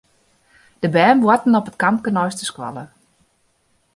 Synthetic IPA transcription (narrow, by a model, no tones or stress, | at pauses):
d̥əbɛːnʋwɔtn̩ɔpət̚kampkənɔjstəskwa̰lə